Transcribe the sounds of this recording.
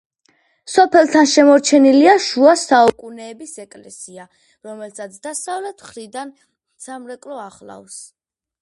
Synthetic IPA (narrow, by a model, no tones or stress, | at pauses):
sɔpʰɛlˠt̪ʰanʃɛmɔɾt͡ʃʰɛniliaʃuasaukʼunɛːbisɛkʼlɛsia | ɾɔmɛlsʰat̪sʰd̪̥asavlɛt̪ʰχɾid̪an | z̥amɾɛkʼlɔaχlˠa̰fs